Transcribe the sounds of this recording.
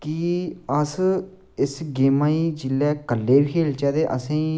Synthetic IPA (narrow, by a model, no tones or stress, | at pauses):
kiəs | ɪsɡeːmãːiːd͡ʒɪlːɛːkəlːeːbikʰeːlt͡ʃɛːd̪eːʔə̰sẽ